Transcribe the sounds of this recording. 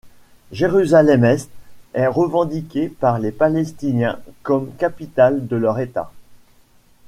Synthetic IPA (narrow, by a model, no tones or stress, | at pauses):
ʒeʁyzalɛmɛst̪ɛʁəvɑ̃d̪ikʲepaʁlepalɛst̪injɛ̰̃kɔmkapit̪ald̪əlœʁet̪a̰